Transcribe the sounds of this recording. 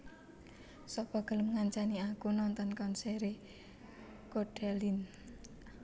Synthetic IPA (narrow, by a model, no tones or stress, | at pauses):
sɔpɔɡ̥ələmŋaɲt͡ʃaniakunɔnt̪ɔnkɔnseɾe | koɖ̥ɛlin